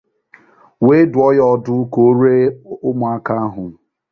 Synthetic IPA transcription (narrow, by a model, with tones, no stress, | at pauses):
we˦dʊ˨ɔ˦jɔ˦˨dʊ˦ko˨o˦ɾe˦ʊ˦mʊ˨a˦ka˦a˦ɦʊ˨